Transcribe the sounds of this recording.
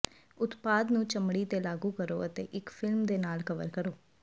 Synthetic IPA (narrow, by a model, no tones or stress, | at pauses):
ʊt̪paːd̪nũːt͡ʃəmɽiːt̪eːlaːɡuːkəɾo̰ːət̪ḛːʔɪkfʰɪlmd̪eːnaːlkəʋə̰ɾkəɾoː